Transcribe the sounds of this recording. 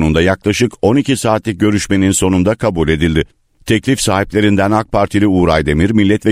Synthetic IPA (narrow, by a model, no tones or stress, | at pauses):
nund̪ajaklˠaʃɯko̞nicʰisaːt̪lʲic̚ɟø̞ɾyʃme̞ninso̞nund̪akʰabulʲe̞d̪ilʲd̪ɪ | t̪ʰɛclʲifsaːɦip̚lʲe̞ɾind̪ænak̚pʰaɾt̪ʰilʲiuːɾajd̪e̞miɾmilʲːɛt̪vɛ